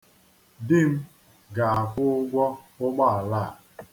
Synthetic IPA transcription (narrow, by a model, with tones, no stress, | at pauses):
dɪ˦m̩˦ | ɡa˨a˨kʷʊ˦ʊ˦ɡʷɔ˦ | ʊ˦k͡pa˦a˨la˦˨